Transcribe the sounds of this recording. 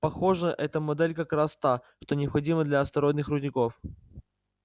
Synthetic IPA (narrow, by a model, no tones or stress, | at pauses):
pɐxo̞ʐəʔɛt̪əmɐd̪ɛlʲkɐkɾast̪a | ʂt̪o̞nʲɪɐpxɐdʲiməd̪lʲɐɐst̪ɐɾonɨxrʊdʲnʲɪko̞f